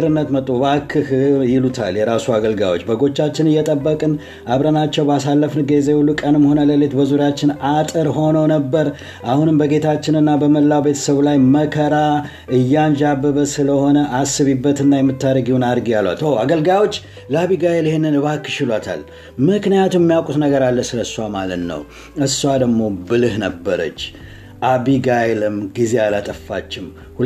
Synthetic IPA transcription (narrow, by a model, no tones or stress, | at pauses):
ɾɨnːət̪mət̪ʼːuβakʰːɨhjɪlut̪ʰa̰ljɛɾasuaɡəlɡa̰wo̞̰t͡ʃːbəɡo̞t͡ʃːat͡ʃːɪnɨjːɛt̪ʼəbːəkʼɨn | ʔaβɾənat͡ʃːɛwbasalːəfnɨɡezehulːukʼənɨmho̞nələlet̪bəzuɾjat͡ʃːɪnat̪ʼɨɾho̞nəwnəbːəɾ | ʔahunɨmbəɡe̞t̪ʰat͡ʃːɪnɨnːabəməlːawbe̞t̪ʰə̥səβlajməkʰəɾa | ʔɨjːand͡ʒabːəβəsɨləho̞nəʔasɨβibːət̪ɨnːajɛmːɨt̪ːaɾəɡiwunaɾɡjalwa̰t̪owaɡəlɡajwo̞t͡ʃː | ləaβiɡajeljihenːɨnɨβakːɨ̥ʃɪlat̪ʰa̰l | mɨknijat̪ʰummːijawkʼut̪nəɡəɾalːəsɨləsːuamalət̪nə̰w | ɨsuwad̪əɡmo̞bɨlɨhnəbːəɾə̰t͡ʃː | ʔaβiɡajlɨmɡizealat̪ʼəfːa̰t͡ʃːɪm | hu